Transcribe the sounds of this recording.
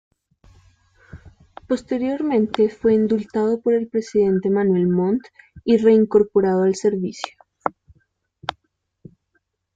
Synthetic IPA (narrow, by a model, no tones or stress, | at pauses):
po̞st̪e̞ɾjo̞ɾmẽ̞nt̪e̞fwe̞ind̪ult̪að̞o̞po̞ɾe̞lpɾe̞siðe̞nt̪e̞manwe̞lmõ̞nt̪ire̞iŋko̞ɾpo̞ɾaðoalse̞ɾβisjo̥